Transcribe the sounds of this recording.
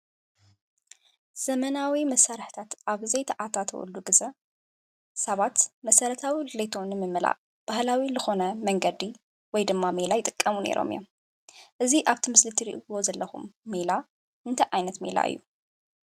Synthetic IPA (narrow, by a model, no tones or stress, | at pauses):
z̥ɐmɐnawimɐsaɾħt̪ʰat̪ʔaβzɐjt̪ʰɐʔat̪ʰat̪ʰɐ̰wṵlːuɡɨzɐ | sɐβat̪mɐsɐɾɐt̪ʰawilɨlejt̪ʰonɨmɨmːɨla̰ʔ | b̥ahlawilɨxo̞nɐmɐŋɡɐd̪i | wɔjd̪ɨmːamelajɪt̪ʼɨkʼːɐmunḛɾʔo̰mɨ̰jom | ʔɨziʔaβt̪ʰimɨslɨt̪ʰiɾḭʔwo̞zɐlːɐxṵmːela | ʔɨnt̪ʰɐʔajnɐt̪mḛla̰ʔɨ̰jːu